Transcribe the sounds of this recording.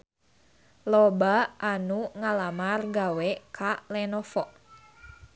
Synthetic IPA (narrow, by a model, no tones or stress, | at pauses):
lɔbaanuŋalamarɡawɛkʰalɛnɔfɔʔ